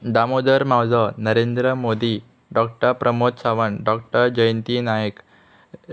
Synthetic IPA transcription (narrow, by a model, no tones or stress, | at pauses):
d̪amod̪əɾmawd͡zənəɾend̪ɾəmod̪i | ɖɔk̚ʈəɾpɾəmot̪saʋəɳɖɔk̚ʈəɾd͡ʑəjənt̪inajək